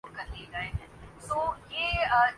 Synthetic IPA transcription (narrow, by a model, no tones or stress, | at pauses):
ɾkɐɾlieɡaeɦɛ̃ːt̪oːjeːə